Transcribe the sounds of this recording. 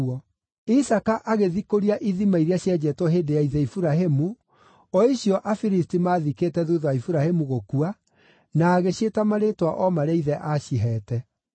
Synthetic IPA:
ɔ | isakaʔaɣeðikoɾiaʔiðimaiɾiaɕjɛd͡ʑɛtɔɦedejaiðɛifuɾaɦemu | ɔiɕjɔʔafiɾistimaðikeːtɛðuðɔaifuɾahemuɣokua | naːɣeɕetamaɾetwaʔɔmaɾeaiðɛʔaɕiɦɛːtɛ

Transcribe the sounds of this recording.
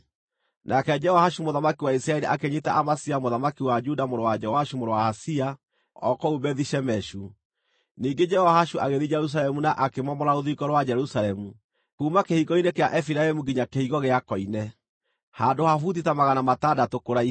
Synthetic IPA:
nʔakɛd͡ʒɛhɔhaʃumoðamakiwaisɾaɛɾiʔakeɲetaʔamasiamoðamakiwad͡ʒudamoɾowad͡ʒɛɔhaʃumoɾowahasia | ɔkɔubɛðiʃɛmɛʃu | niːŋɡed͡ʒɛhɔhaʃuaɣeðid͡ʒɛɾus̬alɛmunaʔakemɔmɔɾaoðikɔɾwad͡ʒɛɾusaɾɛmu | kuːmakehiɣɔinekeaʔɛfiɾaɛmuɡiɲakehiɣɔɣeakɔinɛ | handohafutitamaɣanamatadatokoɾai

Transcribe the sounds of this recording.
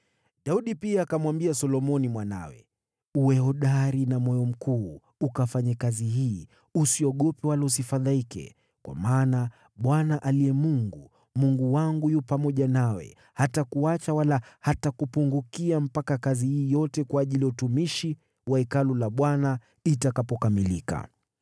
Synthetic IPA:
ɗauɗipiaːkamwambiasɔlɔmɔnimwana̰wɛ̰ | uwɛhɔɗaɾinamɔjɔm̩kuː | ukafaɲakaziɦiː | usiɔɠɔpɛwalaus̬ifaðaikɛ̰ | kwa̰maːna | ɓwanaʔaliɛmuŋɡu | muŋɡuwaŋɡujupamɔʄanawɛ̰ | hatakuat͡ʃawalahatakupuŋɡukiam̩pakakazihiːjɔtɛkwaːʄiliautumiʃi | waikalulaɓwana | itakapɔkamilika̰

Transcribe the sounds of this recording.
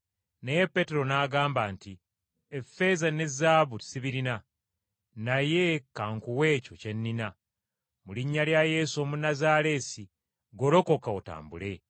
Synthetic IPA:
naje̞pːe̞te̞ɾo̞naːɡaːmbaːnti | efːe̞zane̞zːaːβuti̥siβiɾina | naje̞kaŋkuwe̞ːco̞ce̞nːina | muliɲːaljaje̞ːso̞munazaːle̞si | ɡo̞ɾo̞ko̞kaota̰ːmbṵle̞

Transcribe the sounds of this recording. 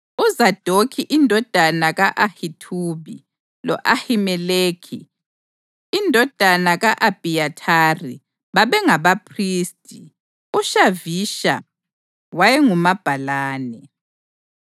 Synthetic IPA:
uzad̥ʱokʰiʔindʱɔd̥ʱanaɣaʔahitʰuβḭ | lɔ̰ʔahimɛleːkʰḭ | ndʱɔd̥ʱanaɣaʔab̥ʱijatʰaːrḭ | βaβɛŋaβapʰriːstʼi | uʃaviʃa̰ | wajɛŋumab̥ʱalaːnɛ

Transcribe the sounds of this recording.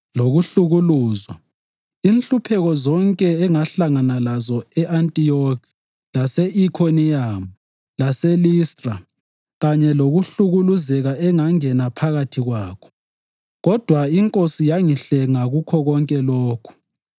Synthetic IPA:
loɣuɬuɣuluːzwa | inɬupʰɛɣɔzɔŋkʼɛːŋaɬaŋanalazɔɛʔantʼijɔkʰ | lasɛʔikʰoniamu | lasɛlistʼra | ɣaɲɛloɣuɬuɣuluzɛɣaɛŋaŋɛnapʰaɣatʰiɣwaːkʰɔ̥ | ɣɔd̥ʱwaiŋkʼosijaŋiɬɛŋaɣukʰɔɣɔŋkʼɛlɔːkʰu̥

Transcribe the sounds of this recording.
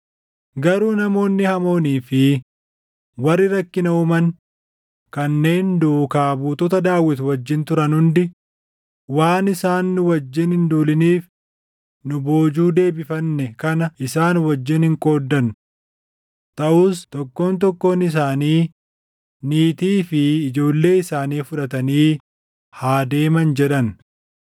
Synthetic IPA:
ɡɐɾuːnɐmo̞ːnːɪhɐmo̞ːniːfɪ | wɐrːɪɾɐkːɪnɐʊmɐn | kɐnːe̞ːnd̪ukaːbuːt̪ɔt̪ɐd̪aːwːɪt̪wɐd͡ʒːɪnt̪ʊɾɐnhʊnd̪ɪ | waːnɪsaːnːʊwɐd͡ʒːɪnhɪnd̪uːlɪniːf | nʊbo̞ːd͡ʒuːd̪e̞ːbɪfɐnːɛkɐnɐʔɪsaːnwɐd͡ʒːɪnhɪŋkʼo̞ːd̪ːɐn | t̪ɐʔuːst̪ɔkːo̞ːnt̪̬ɔkːo̞ːnɪs̬aːniː | niːt̪iːfɪːd͡ʒo̞ːlːe̞ːɪsaːniːfʊᶑɐt̪ɐniː | haːd̪e̞ːmɐnd͡ʒɛᶑɐn

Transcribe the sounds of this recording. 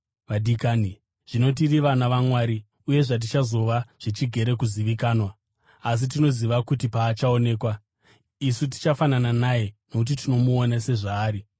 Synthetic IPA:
ʋadikaːni | ʐ̥ino̞t̬iriʋanaʋamwaːɾi | uje̞ʐat̬it͡ʃazo̞ʋaʐ̥it͡ʃiɡʱe̞ɾe̞kuziʋikaːnwaː | s̬it̬ino̞ziʋakutipaːt͡ʃao̞ne̞ːkwa | isut̬i̥t͡ʃafanananaje̞no̞kut̬itino̞muonase̞ʐaːɾi

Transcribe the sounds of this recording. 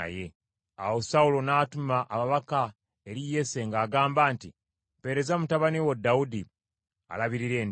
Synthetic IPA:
a̰je̞ | a̰wo̞saulo̞naːtumaʔamaβaka | e̞ɾije̞se̞ŋɡaːɡaːmbaːnti | pe̞ɾe̞zamutaβaniwodːaudi | a̰laβiɾiɾe̞ːn

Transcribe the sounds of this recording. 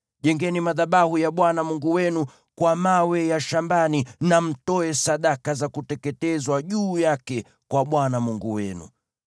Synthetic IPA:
ʄɛŋɡɛnimaðaɓahujaɓwanamuŋɡuwɛnu | kwamawɛjaʃambaninam̩tɔɛsaɗakazakutɛkɛtɛzwaʄuːjakɛ | kwaɓwanamuŋɡuwɛ̰nṵ

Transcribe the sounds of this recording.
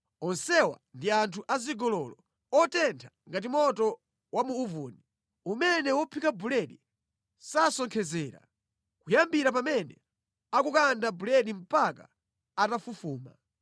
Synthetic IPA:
ɔnsɛwa̰ndiantʰuʔaziɡɔlɔlɔ | ɔtɛntʰḁŋɡat̬imɔtɔ | wamuːvuni | umɛnɛwɔpʰikabulɛɗi | sasɔŋkʰɛzɛːɾa̰ | kujambiɾap̬amɛnɛ | akukandabulɛɗim̩paka̰ | atafufuːma̰

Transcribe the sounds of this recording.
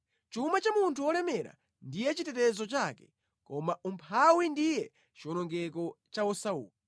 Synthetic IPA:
t͡ʃumat͡ʃamuntʰuɔlɛmɛɾa̰ | ndijɛt͡ʃitɛtɛzɔt͡ʃakɛ̥ | kɔmaʔumpʰawindijɛ | t͡ʃiɔnɔŋɡɛk̬ɔt͡ʃaɔsaṵːli

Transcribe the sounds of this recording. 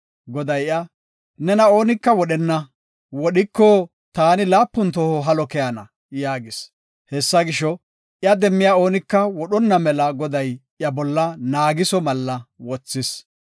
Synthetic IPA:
ɡɔd̪ɐjɐ | nɛnɐo̞ːnɪkːɐwɔɗɛnːɐ | wɔɗɪkːɔ | t̪aːnɪlaːpːʊnt̪ɔhɔɦɐlɔkɛjanɐ̰ | jaːɡɪs | hɛsːɐɡɪʃɔ | ʔjɐd̪ɛmːɪjaːo̞ːnɪkːɐwɔɗɔnːɐmɛlɐɡɔd̪ɐjʔjɐbɔlːɐnaːɡɪsɔmɐlːɐwɔt͡sːɪs

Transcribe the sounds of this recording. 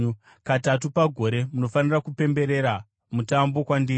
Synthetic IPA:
katatupaɡʱo̞ɾe̞muno̞fanirakupe̞mbe̞ɾe̞ɾa | mutambo̞kwandiː

